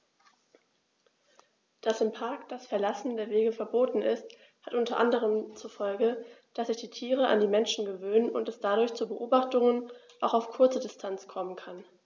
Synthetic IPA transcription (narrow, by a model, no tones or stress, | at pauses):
d̥asɪmpʰaɐkd̥asfɛɐlasn̩deːɐveːɡəfɛɐboːtn̩ɪ̰st | hatʔʊntʰɐʔandəʁ̞əmt͡sufɔlɡəd̥asz̥ɪçd̥iːtʰiːʁəʔa̰ndiːmɛnʃn̩ɡəvøːnənʔʊ̰ntɛsd̥adʊɐçt͡subəʔoːbaχtʊŋən | ʔaʊxaʊfkʰʊɐt͡sədɪstʰant͡skʰɔmənkʰan